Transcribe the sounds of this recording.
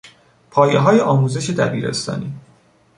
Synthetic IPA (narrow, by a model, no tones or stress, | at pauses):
pʰɒːjeɦɒːjeʔɒːmuːze̞ʃe̞d̪æbiːɾe̞̰st̪ɒ̰ːniː